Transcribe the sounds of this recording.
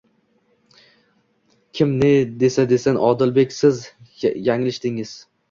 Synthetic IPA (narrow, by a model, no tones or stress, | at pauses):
kʲʰɪmned̪e̞sad̪e̞sanʔɒd̪ɪlbe̞kʲsɪzjaŋlɪʃt̪ɪŋɪz̥